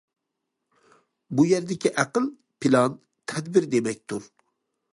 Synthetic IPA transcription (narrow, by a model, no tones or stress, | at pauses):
bujɛɾd̪ɪkʲʰiʔæqəlˠ | pʰilˠɑn | t̪ʰɛd̪bɪɾd̪emɛk̚ʲt̪ʰuɾ